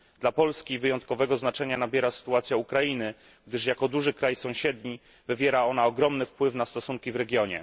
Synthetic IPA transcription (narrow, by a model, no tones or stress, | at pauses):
d̪̥lapɔlskʲivɘjɔnt̪̚kɔvɛɡɔznat͡ʂɛɲanabʲjɛɾasɘ̥t̪uat̪sʲjaukɾainɘ | ɡ̚d̪ɘʂjakɔd̪uʐɘkɾajsɔ̃w̃ɕɛd̪ɲi | vɘvʲjɛɾaɔnaɔɡɾɔmnɘfpwɘfnast̪ɔsuŋkʲivɾɛɡʲjɔɲɛ̰